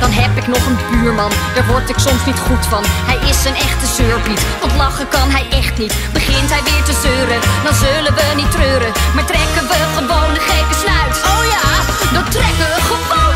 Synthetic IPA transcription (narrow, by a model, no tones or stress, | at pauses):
d̥ɑnɦɛpɪknɔχənbyːɹmɑnd̥aːɹʋɔɹtɪksɔmsnitχutfɑnhɛjɪsənɛχtəzøːɹbitʋɑntlɑχəkɑnɦɛjʔɛχtnit | bəχɪntɦɛjʋɪːɹtəzøːɾədɑnzølənʋənitrøːɾəmaːɹtrɛkənʋəχəʋownəχejkəsnœɥtowja | dɔtrɛkəəχəvo